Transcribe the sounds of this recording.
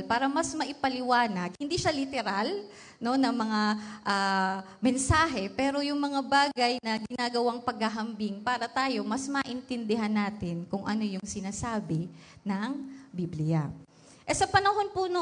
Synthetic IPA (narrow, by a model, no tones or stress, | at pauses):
lpaːɾɐmɐsmɐʔɪpɐlɪwaːnɐɡ̚hɪnd̪iːʃalɪt̪ɛɾal | no̞nɐŋmɐŋaʔaː | mɛnsaːɦɛpɛːɾo̞jʊŋmɐŋabaːɡɐjnɐɡɪnaːɡɐwaŋpɐɡ̚hɐɦɐmbiŋpaːɾɐt̪aːjo̞mɐsmɐʔɪnt̪ɛnd̪ɪɦanːaːt̪ɪnkʊŋʔɐ̰no̞jʊŋsɪnaːsaːbɪnɐŋbiːblɪja̰ | ʔɛsɐpɐnɐɦo̞npʊno